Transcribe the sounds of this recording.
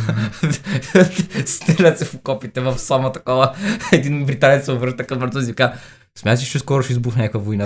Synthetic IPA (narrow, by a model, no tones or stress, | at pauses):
st̪ɛlɐt̪sɛpokɔpit̪ɛvɐfsɔmɐt̪ɐkɔvəɛd̪inbɾit̪anɛt̪sɛovɾəɾʃt̪əkɐmɛt̪ɔzivika | smʲjat̪əsiʃt͡ʃɛskɔɾʊʃɛizbuxnʲakvəvoina